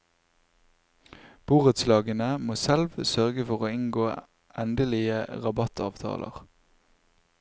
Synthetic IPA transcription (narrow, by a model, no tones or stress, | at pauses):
b̥uːʁət̪slɑːɡənəmoːsɛlʋsœʁɡəfɔʁoːɪŋɡoː | ʔɛnd̪əlɪəʁɑbɑt̪ɑ̰ːʋt̪ʰɑ̰ːlʔə̰ʁ